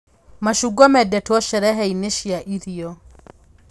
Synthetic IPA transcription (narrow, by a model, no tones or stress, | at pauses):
maʃuɡɔmɛdɛtwɔʃɛɾɛɦɛineʃiaʔiɾiɔ